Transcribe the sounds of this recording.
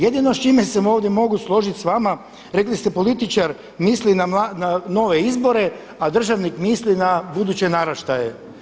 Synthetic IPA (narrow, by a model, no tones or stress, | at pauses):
jed̪inost͡ʃimesemo̞ːʋd̪je̞mo̞ɡuslˠo̞ʒit̪ʲsʋama | ɾeklist̪e̞po̞lit̪it͡ʃaɾ | mislinamlanano̞ʋe̞izbo̞ɾe̞ | ad̪r̩ʒaʋnikmislinabud̪ut͡ɕe̞naɾaʃt̪ajḛ